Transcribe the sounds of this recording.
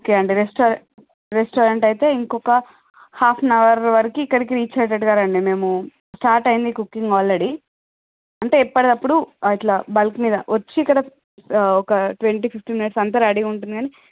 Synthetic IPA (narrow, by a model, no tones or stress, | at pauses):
okeːɐɳɖiɾesʈoːɾ | ɾesʈoːɾɐɳʈɐjit̪e̞ːiŋkɔkɐ | haːpʰnɐʋɐɾʋɐɾikiːkːɐɽikiɾiːt͡ʃeːʈ̬ɐʈɡaːɾɐɳɖime̞ːmu | sʈaːɾʈɐjind̪ikukːiŋɡaːlɾe̞ɽi | ɐɳʈe̞ːipːɐɽed̪ɐpːuɽuiʈlaːbɐlkmiːd̪ɐʋɐt͡ʃːiːkɐɽɐ | ɔkɐʈʋeɳʈiːpʰip̚ʈiːminiʈsɐnt̪̬ɐɾɐɽiɡuɳʈund̪iɡaːni